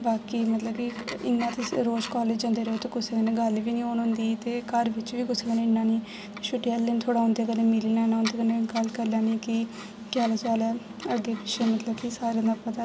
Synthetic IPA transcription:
baːkiːmət̪ləbkiɪnːãːt̪eɾoːd͡ʒkaːleːd͡ʒd͡ʒə̃ːnd̪eːɾəɦoːt̪eːɡʊsɡeneːɡəlʋiːnĩːoːnɦʊnd̪iːt̪eːkəɾʋɪt͡ʃʋiːɡʊsɡeneːɪnːãːnĩː | ʃʊʈijalːent̪ʰoːɽãːɦʊ̃nd̪eːɡəlneːmɪliːnaːnãːʊ̃nd̪eːkənẽɡəlkəɾlãːnĩːki | kaːlat͡ʃaːlɛː | əɡeːpɪʃeːmət̪ləbkisaːɾãːnd̪apət̪aː

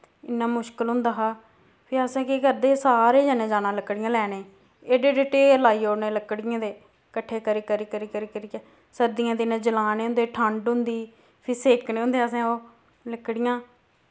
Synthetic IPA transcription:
ɪnːãːmʊʃkəlɦʊ̃nd̪aːɦaː | pʰɪɾəsãːkeːkəɾd̪eːsaːɾeːd͡ʒənẽːd͡ʒaːnãːləkːɽɪjãːlɛːnẽː | eːɖeːɖeʈeːəlaːiːoːɾneːləkɽɪjãːd̪eː | kəʈʰːeːkəɾiːkəɾiːkəɾiːkəɾiːkəɾiːkː | səɾd̪ɪjãːd̪ɪnẽːd͡ʒəlaːneːʊ̃nd̪eːʈʰəɳɖʊ̃nd̪iː | pʰɪɾseːkneːʊ̃nd̪eːəsãːoː | ləkːɽɪjãː

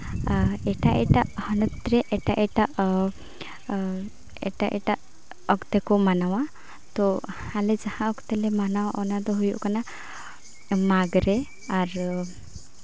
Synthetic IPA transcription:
ɛʈaʔɛ̰ʈaʔhɔnɔt̪ɾɛʔɛʈaʔɛʈaʔ | ɛʈaʔɛ̰ʈaʔ | ɔkt̪ɛkɔmanawa | t̪ɔalɛd͡ʒahãɔkt̪ɛlɛmanawaʔɔnad̪ɔɦujṵʔkana | maɡɾɛ | aɾ

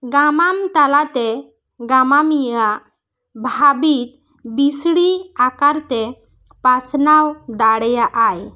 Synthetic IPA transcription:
ɡamamt̪alat̪e | ɡamamiaʔ | bʱabit̪ | bisɽiakaɾt̪e | pasnawd̪aɽjaʔaj

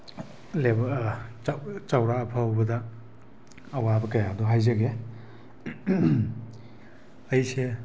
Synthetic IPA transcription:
lebɐ | t͡ʃawɾaːpʰawbɐdɐ | wabɐkɐjadoɦajzɐɡe | ɐjse

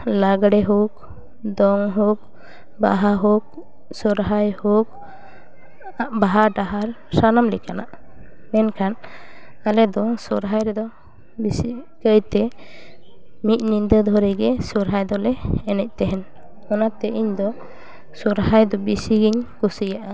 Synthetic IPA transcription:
laɡɽɛɦuk̚ | d̪ɔŋɦuk̚ | ba̰ɦaɦɔk̚ | sɔɾɦajhɔk̚ | baɦaɖaɦaɾ | sanamlɛkana̰ | mɛnkʰan | alɛd̪ɔŋsɔɾɦajɾɛd̪ɔ | bisikəjt̪ɛ | mit̪̚nind̪əd̪ʱɔɾɛɡɛsɔɾɦajd̪ɔlɛːnɛc̚ˀt̪ɛɦɛn | ɔnat̪ɛʔiɲd̪ɔ | sɔɾhajd̪ɔbisiɡiɲkusijaʔa

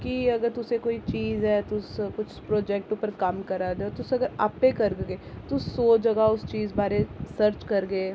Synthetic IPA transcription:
kiɐɡəɾt̪ʊsekoːit͡ʃiːzɦɛːt̪ʊskʊt͡ʃʰpɾoːd͡ʒɛk̚ʈuːpəɾkɐmkɐɾaːd̪eɔːt̪ʊsɐɡəɾa̰ːpːekɐɾɡɡeːt̪ʊssoːd͡ʒɐɡaʊst͡ʃiːzbaːɾesəɾt͡ʃkɐɾɡeː

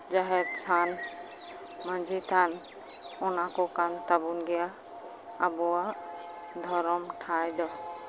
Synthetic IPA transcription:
d͡ʒaɦɛt̚sʰan | mand͡ʒit̪ʰan | ɔnakɔkant̪abunɡɛjaː | bɔa | d̪ʱɔɾɔmʈʰajd̪ɔ

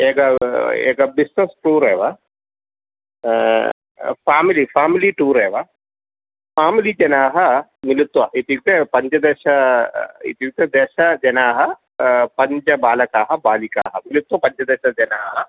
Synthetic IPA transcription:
eːɡɐḛːɡɐbisnesʈuːɾeːʋaː | pʰaːmilipʰaːmiliːʈuːɾɛːʋaː | pʰaːmilid͡ʒɐnaːɦɐmilit̪ʋɐʔit̪juk̚t̪epɐɲt͡ʃɐd̪ɛːʃɐ | ḭt̪ijuk̚t̪ed̪ɛːʃɐd͡ʒɐnaːɦɐ | pɐɲt͡ʃɐbaːlɐkaːɦɐbaːlika̰ːɦɐmilit̪ʋɐpɐɲt͡ʃɐd̪ɛːʃɐd͡ʒɐnaːɦɐ

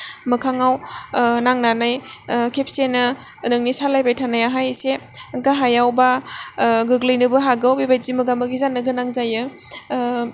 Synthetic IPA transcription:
mɯkʰaŋawnaŋnanajkʰep̚senɯ | nɯŋnisalajbajtʰanajaɦajseɡaɦajawba | ɡɯɡlɯjnɯbɯɦaɡawbibajzimɯɡamɯɡizanːɯɡɯnaŋzajɯ

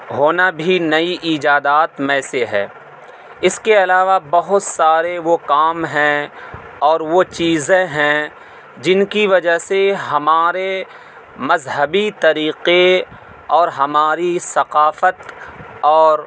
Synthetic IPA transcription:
ɦoːnabʱinɐiʔiːd͡ʒaːd̪aːt̪mɛ̃ːseɦɛ̰̃ː | ɪskeɐlaːʋabɐɦʊt̪saːɾeʋokaːmɦɛ̃ | ɔːɾʋot͡ʃiːzẽɦɛ̃ | d͡ʒɪnkiʋɐd͡ʒaɦseɦɐmaːɾe | mɐzɦəbit̪ɐɾiːqe | ɔːɾɦɐmaːɾisɐqaːfət̪ɔːɾ

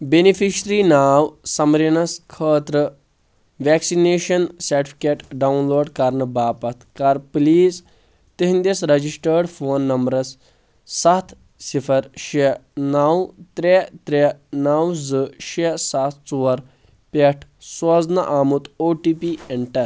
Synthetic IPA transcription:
benifiʃɾinaːwsɐmɾinɐskʰəːt̪ɾə | ʋɛːksineːʃɐnsɐɾʈifʰi̥keʈɖawnloːɖkaɾnəbaːpɐt̪ʰkaɾpliːz | t̪eɦind̪esɾɐd͡ʑisʈəɾɖfoːnːɐmbɾɐsː | at̪ʰ | sifʰɐɾʃenawt̪ɾet̪ɾenawd͡zɨʃesat̪ʰt͡suɐɾ | peʈʰsɐd͡znaʔaːmut̪oːʈiːpieɳʈɐɾ

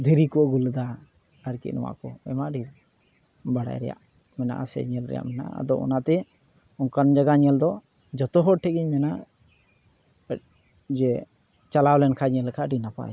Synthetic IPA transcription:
d̪ʱiɾikuɔɡuld̪a | aɾkḭʔnɔ̰wa̰ʔkɔɛmaʔɖi | baɽa̰jɾɛ̰ja̰ʔ | mɛna̰ʔasɛ̰ɲɛlɾɛ̰ja̰ʔmɛna̰a̰d̪ɔʔɔ̰naʔt̪ɛ | ɔŋkand͡ʒaɡaɲɛld̪ɔ | d͡ʒɔt̪ɔɦɔʈʰɛɡiɲmɛna | d͡ʒɛ | t͡ʃalawlɛnkʰaɲɛlɛkʰaʔɖinapa̰

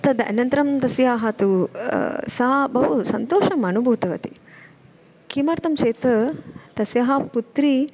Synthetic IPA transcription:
t̪ɐd̪ɐ̰nɐnt̪ɾɐmd̪ɐsjaːɦɐt̪u | sɐɦɐbɐʋusɐnt̪oːʃɐmɐnubʱuːt̪ɐʋɐt̪i̥ | kiːmɐːɾt̪ɐmʃeːt̪ɐt̪ɐsjɐɦɐput̪ɾi

